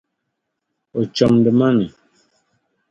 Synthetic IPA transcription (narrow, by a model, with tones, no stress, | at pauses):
o˨t͡ʃɔ˨mdɛ˨ma˦nu˨